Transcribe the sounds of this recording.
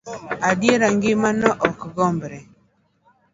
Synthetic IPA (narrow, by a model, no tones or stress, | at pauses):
adjeɾaŋɡɪmanɔʔɔkɡɔmbɾɛ